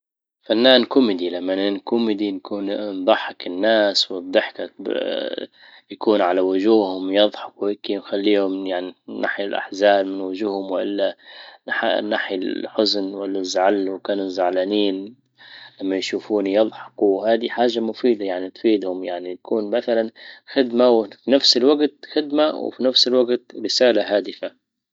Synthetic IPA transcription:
fanːaːnkʊmɪd̪ilamːanɪnkʊmːɪd̪inkʰuːnnd̪ˤɑħːɪkɪnːaːswɨd̪ˤːɨħka | jakuːnʕalawʊʒuːhʊmjɑðˤħɑ̥kwuhɪkːinxalːiːhʊmjaʕninːa̰ħjalʔa̰ħzaːlmɪnwʊʒuːhʊmwʔɪlːaaħnːaħjalħʊznwɪlːazːaʕalːwkaːnuzːaʕlaniːn | lamːajʃuːfuːnijɑðˤħɑ̥kuhaːd̪iħaːʒːamʊfiːd̪ajaʕnit̪fiːd̪hʊmjaʕnit̪akʰuːnmaθalanxɪd̪mawfinafsɪlwaɡt̪̚xɪd̪maw̰finafsɪlwaɡt̪ɾɪsaːlaɦaːd̪ɪfa

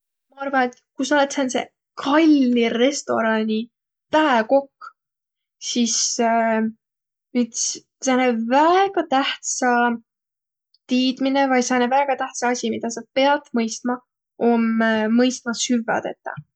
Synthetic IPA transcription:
mɑɑrvɑnet̪kusɑolet̪sensḛ | kʰɑlʲːiɾe̞st̪o̞̰ɾɑnʲi | t̪æeko̞kː | sis | nyt̪s | sɑnevæɡ̥ɑt̪æht̪sɑ | t̪iːd̪̥minevɑjsɑnevæːɡ̥ɑt̪æht̪sɑɑsʲimid̪̥ɑsɑpe̞ɑt̪mɤjst̪mɑ | omːɤjst̪mɑsyvɑ̰d̪ḛt̪ːɑ̰

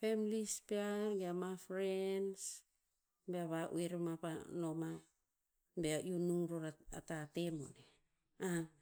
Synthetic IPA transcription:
femilispeaɾɡeamafɾens | beaβaʔṵeɾmapano̞ma | beaʔjunuɾoɾaa̰tatemo̰ne | a

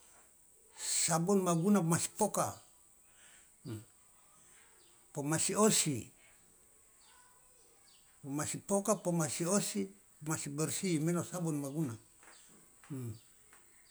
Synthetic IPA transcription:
sabunmaɡunamasi̥poka | pomasiosi | masipokapomasiosi | masibɔrsimenosabunmaɡuna

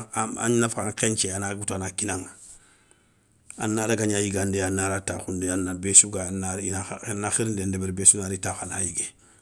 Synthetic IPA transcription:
a̰ɲnafaŋkent͡ʃeanaɡutanakinaŋa | a̰nːaɾaɡaɲajiɡandeanːaɾataxundeanːabesuɡaanaɾinanaxiɾindandebeɾbesunaɾitaxana̰jiɡe

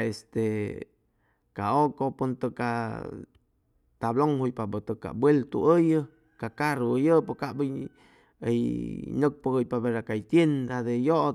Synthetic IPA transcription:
est̪e | kaokopunt̪əka̰ | t̪abloŋhujpabət̪əkːa̰bwelt̪ṵʔəjə | kakaɾuəjəpokaʔbəj | ə̰jnək̚pəəjpabeɾakajt̪jend̪ad̪ejoʔ

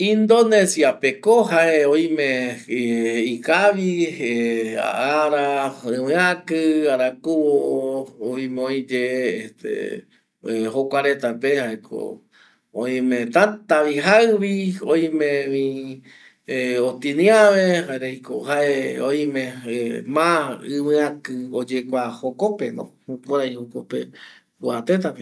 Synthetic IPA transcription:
ĩnd̪onesiapekohaeõj̃mẽ | ikaβiea̰ʔaɾaɨ̃wɨakɨaɾakuoʔooĩmeõjd͡ʒeest̪ḛ | hokʷaɾet̪apehaekʰo̰ | õĩmẽt̪at̪aβiɦaɨβioj̃mẽĩ | eot̪inĩaβehaeɾejko̰ɦaʔeoj̃ĩmẽmãɨ̃wɨ̃akɨod͡ʒekʷahokopenõ̰hukoɾajhokopḛ | wat̪et̪ape

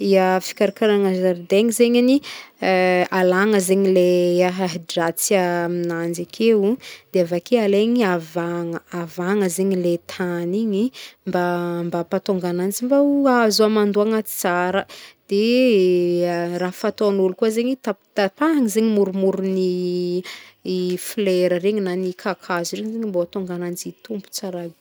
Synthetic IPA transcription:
iəfi̥kaɾakaɾanəzaɾd̪eŋizeɲani | alaŋəzeɲileaɦaɦiɖ͡ʐat͡siaminand͡ʒakʰeud̪̥eavakealeɲiavaŋəavaŋəzeɲilet̪ʰaniɲimbambapat̪oŋɡanand͡zimbauazuamand̪uaŋḁt͡saɾəd̪̥e | raɦfat̪onulukuəzeɲit̪at̪at̪aaŋizeɲimuɾumuɾuni | fleɾəɾeɲinanikʰakʰazuɾeɲizeɲimbat̪oŋɡanand͡zit̪umbu̥t͡saɾali

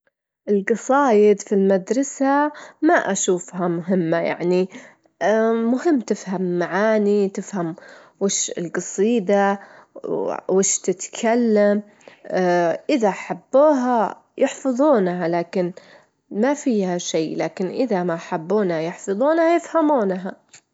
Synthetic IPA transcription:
ʔɪlɡɑsˤɑːjɪd̪filmad̪ɾˤɑsamaʔaʃuːfɦamʊɦɪmːaja̰ʕni | mʊhɪmːt̪ɪfhamːaʕaːnit̪ɪfham | wɪːʃɪ̰lqɑsˤiːd̪a | wɪːʃt̪ɪt̪kʰalːam | ʔɪðaʔaħabːuːɦa | jɪħfɑðˤuːnhalaːkɪn | mafiːhaʃajlaːkɪnʔɪðamaħabːuːnhajɪħfɑðˤuːnhajɪfhamuːnɦa

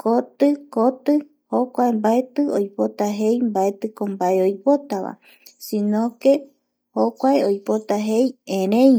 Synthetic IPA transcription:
kot̪ɨkot̪ɨ | hokʷaembaet̪ɨojpo̞t̪aɦejmbaet̪ɨkombaeojpo̞t̪aʋa̰ | sĩnõke | hokʷaeojpo̞t̪aɦe̞jẽɾẽj

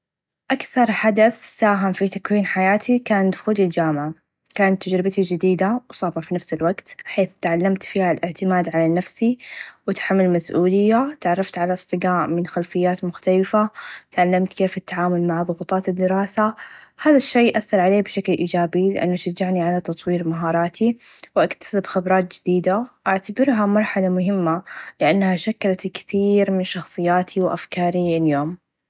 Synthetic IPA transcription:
ʔakθɑɾˤħad̪aθsaːɦɪmfit̪akwiːnħajaːt̪ʰikaːnd̪xuːlild͡ʒaːmʕa | kaːnat̪ːad͡ʒɾɪbt̪id͡ʒɪd̪iːd̪awsˤɑːbɑfinafsɪlwaɡt̪ħeːθt̪ʕalːamt̪fiːhalʔɪʕt̪ɪmaːd̪ʕalanafsiwɪt̪ħamːalmasʔuːlɪjːat̪ʕɑrˤːɑft̪ʕalaɨsˤt̪ˤɨɡaːʔmɪnxalfɪjːaːt̪mʊxt̪alɪfat̪ʕalːamt̪keːfɪt̪ːaʕaːmʊlmaʕðˤʊbʊt̪ˤɑːt̪ɪd̪ːɪɾɑːsahaːðaʃːeːʔaθːɑɾˤʕaleːbʃaklʔiːd͡ʒaːbilɪʔa̰nːaʃad͡ʒːaʕniʕalat̪ɑt̪ˤwiːɾmaɦɑːɾˤɑːt̪ʰiwʔakt̪ḁsɪbxɪbɾˤɑːt̪̚d͡ʒɪd̪iːd̪aʔaʕt̪abɪɾɦamɑɾˤħalamʊɦɪmːalɪʔanːhaʃakːalat̪kθiːɾmɪnʃɑxsˤɨjːaːt̪ʰiwʔa̰fkɑːɾiɪljoːm

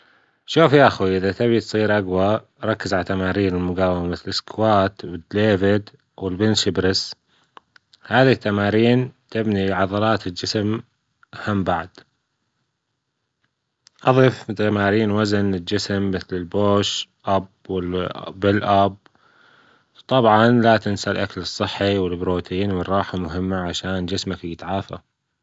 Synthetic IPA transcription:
ʃuːfjaʔaxiʔɪðat̪ɪbit̪sˤiːɾʔaɡwa | ɾˤɑkːɪzʕalat̪amaːɾiːnɪlmʊɡaːwɪmamɪθlɪskwaːt̪wɪd̪leːvɪd̪ | wɪlbɪnt̪ʃɪbɾɪs | haːðit̪ːamaːɾiːnt̪ɪbniʕɑðˤɑɾˤɑːt̪ɪld͡ʒɪsm | hambaʕd̪̥ | ʔɑðˤift̪ːamaːɾiːnwazanɪld͡ʒɪsmːɪθlɪlboːʃʔab | wɪlːɪlʔab̚ | t̪ˤɑbʕɑnlat̪ɪnsalʔakalɨsˤːɨħːiwɪlbɾoːt̪ʰiːnwɨrˤːɑːħamʊɦɪmːaʕaʃaːnd͡ʒɪsmakjɪt̪ʕaːfa̰

